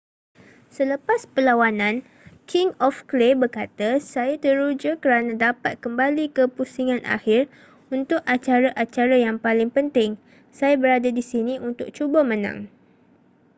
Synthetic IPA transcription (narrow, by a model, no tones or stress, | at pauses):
sələpaspəlawanãn | kʰɪŋɔfklebərkat̪asajat̪əɾud͡ʒakəɾanãdapat̪̚kəmbalikəpusiŋãnʔa̰hɪr | unt̪ʊkat͡ʃaɾaʔat͡ʃaɾajaŋpalɪŋpənt̪ɪŋ | sajabəɾadadisinĩʔunt̪ʊk̚t͡ʃubamə̃nã̰ŋ